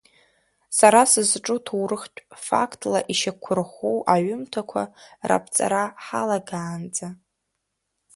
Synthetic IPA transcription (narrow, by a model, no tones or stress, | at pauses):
saɾasɨzʈ͡ʂʼutʰuwɾɨχtʷʼfa̰kʰtʼlaʔiʃakʷʰʊrχʷowʔaɥʊmtʰakʷʰa̰ra̰pʰt͡sʼa̰ɾaħalaɡaːnd͡za